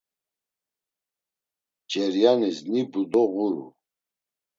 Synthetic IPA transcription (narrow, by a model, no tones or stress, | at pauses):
d͡ʒɛɾjanisnibud̪ɔɣuɾṵ